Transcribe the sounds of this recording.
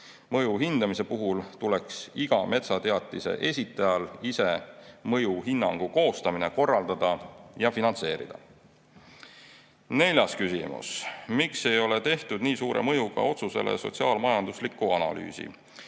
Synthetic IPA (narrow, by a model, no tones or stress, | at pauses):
mɤjuɦind̪ɑmise̞puɦult̪ule̞ksiɡ̥ɑme̞t̪sɑt̪e̞ɑt̪ːˑise̞̰ʔe̞sʲit̪ːˑɑjɑlise̞mɤjuɦinːɑŋɡ̥uko̞ːst̪ɑmine̞ko̞rːɑld̪̥ɑd̪̥ɑjɑfinɑnt̪se̞ːɾḭd̪̥ɑ̰ | ne̞lʲjɑskysḭmṵsmikse̞jo̞le̞t̪e̞ht̪ud̪̥niːsuːɾe̞̰mɤ̞juɡɑ̰o̞t̪suse̞̰lḛso̞̰t̪siɑːlmɑjɑnd̪̥uslikːˑuɑnɑ̰ly̰ːsḭ